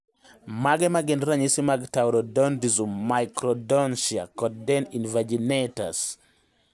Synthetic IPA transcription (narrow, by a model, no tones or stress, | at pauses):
maɡɛmaɡɛnɾaɲisimaɡtawɾɔdɔndizummajkɾɔdɔnʃia̰kɔdɛninvad͡ʒineta̰s